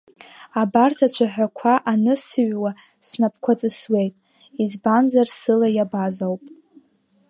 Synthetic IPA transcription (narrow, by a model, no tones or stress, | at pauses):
abartʰat͡ɕʷʰaħʷᶣakʷʰaʔanɨsɨɥwa | snap̚ʰkʷʰat͡sʼɨswe̞jtʼ | izbanzarsɨlajabazawpʼ